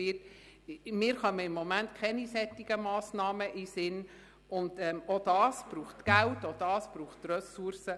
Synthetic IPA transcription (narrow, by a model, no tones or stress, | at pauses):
ɪt | mɪːɾχœməɪmːomæntkʰɛnisɛt̪ːiɡ̥əmɑːsnɑːməʔisɪn | ʊnd̪ɛmod̥̪ɑːsb̥ɾuːχtɡ̥æltodɑːsb̥ɾuːχtrœsuɾsə